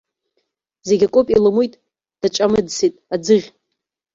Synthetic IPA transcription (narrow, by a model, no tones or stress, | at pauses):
ze̞ɡʲakʷʼʊpʼilamujtʼ | d̥at͡ʃʼamɨdsitʼad͡zɨʁʲ